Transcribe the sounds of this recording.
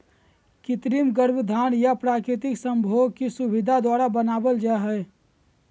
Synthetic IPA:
kɪt̪ɾimɡəɾbʱəd̪ʱaːnjapɾaːkɾit̪̬ɪksəmbʱoɡ̚kisubid̪ʱad̪waɾabənaːbəld͡ʒaɦɛ

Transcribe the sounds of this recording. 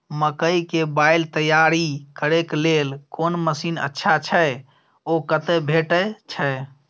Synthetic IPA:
məkəikebajlt̪əjaɾikəɾeklelkonməsinə̰tːʃʰat͡ʃʰəj | okət̪əbʱeʈət͡ʃʰəe

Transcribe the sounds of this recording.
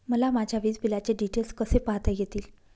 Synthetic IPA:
məlamad͡ʑʱjaʋiːd͡zbilat͡ɕeɖiʈelskəsepaɦt̪ajet̪iːl

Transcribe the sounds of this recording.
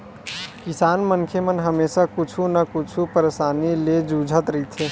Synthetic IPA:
kɪsaːnmənkʰemənɦəmeːʃakʊt͡ʃʰũnakʊt͡ʃʰupəɾesaːniled͡ʒuːd͡ʒʱət̪ɾəit̪ʰeː

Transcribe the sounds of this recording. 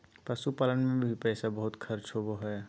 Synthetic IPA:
pəsupaːlənmẽbʱipɛːsabəɦʊt̪kʰəɾt͡ʃʰoboɦɛe

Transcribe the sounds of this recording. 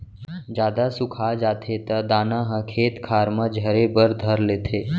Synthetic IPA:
d͡ʒjaːd̪asʊkʰad͡ʒaːt̪ʰet̪əd̪aːnãɦə̃kʰeːt̪kʰaːɾmə̃d͡ʒʱəɾebəɾd̪ʱəɾleːt̪ʰeː

